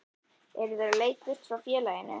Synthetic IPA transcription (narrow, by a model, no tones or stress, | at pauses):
ɛɾɪðɛːɾaleːjt̪ɪst̪fɾawfjɛːlajɪnːɪ̰